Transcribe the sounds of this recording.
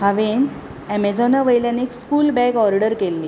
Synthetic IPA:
ɦaʋen | ɛmed͡zɔnaʋəjlanikskuːlbɛɡɔɾɖəɾkelːi

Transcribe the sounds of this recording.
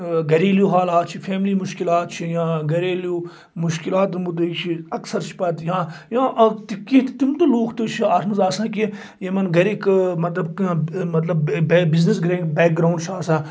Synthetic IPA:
ɡɐɾeːljoːɦaːlaːt̪̚t͡ʃʰifʰeːmliːmʊʃkilaːt̪t͡ʃʰijãːɡɐɾeːljoː | mʊʃkilaːt̪ɾɐmbut̪ɐit͡ʃʰiɐksɐɾt͡ʃʰi̥pɐt̪jãːjãːʔt̪ikiɦt̪t̪imt̪ɐloːkʰt̪ut͡ʃʰiaːɾʰmɐzaːsãːki | jemɐnɡɐɾikmɐt̪lɐbkːmɐt̪lɐbbiznisɡɾẽːʈbeːk̚ɡɾaːuɳɖt͡ʃʰaːsãː

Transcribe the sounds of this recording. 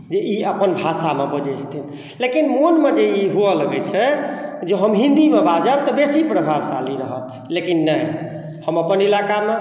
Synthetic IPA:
d͡ʒeʔiəpənbʱasamebəd͡ʒɛst̪ʰin | lekinmonmed͡ʒeiɦuələɡɛt͡ʃʰɛd͡ʒeɦəmɦĩnd̪imebad͡ʒəb̚t̪ɔbesipɾəbʱabsa̰liɾəɦət̪̚ | lekinːəj | həməpənilakame

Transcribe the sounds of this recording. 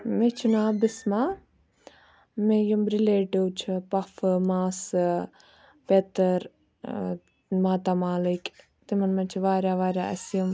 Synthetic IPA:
met͡ʃʰunaːbismaː | mejumɾileːʈiwt͡ʃʰipɐfɨmaːs | pet̪ɐɾ | maːt̪amaːlik | t̪imɐnmɐt͡ʃʰiʋaːɾjaːʋaːɾʲjaɐsjum

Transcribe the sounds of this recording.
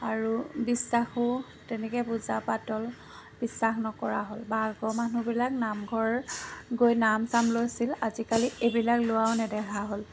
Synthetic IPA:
aɹubisːaxʊ | tɛnɛkɛpuzapatɔl | b̥isːaxnɔkɔɹaɦolbaɡɔmanubilak̚namɡʱɔɹɡojnamsamlojsilazikaliebilaklʊwawnɛdɛɦaɦol

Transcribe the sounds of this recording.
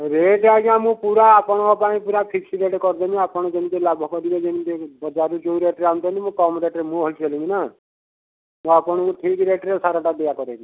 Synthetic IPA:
ɾeʈaɡamũpuɾaːpɔɽ̃ɔkɔpaĩpuɾapʰiksiɾeʈkɔɾd̪ɔniapɔɽ̃ɔ̃d͡ʒenit̪elabʱɔkɔɾibɔd͡ʒenit̪ebɔd͡ʒaɾud͡ʒouɾeʈɾeamt̪ɔnimũkɔmɾeʈɾemũɦɔlt͡ʃʰelĩŋina | mũapɔɽ̃ɔ̃kuʈʰikɾeʈɾesaɾaʈab̪ejakɔɾeni

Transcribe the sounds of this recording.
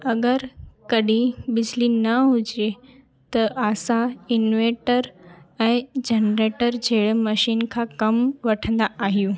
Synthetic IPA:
ɐɡəɾkɐɗʱĩbɪd͡ʑʱlinɐɦʊd͡ʑe | t̪ɐʔaːsãɪnʋeːʈəɾɛ̃ːd͡ʑenɾeːʈəɾd͡ʑʱeːɽmɐʃiːnkʰãkɐmʋɐʈʰə̃nd̪aaːɦijũː

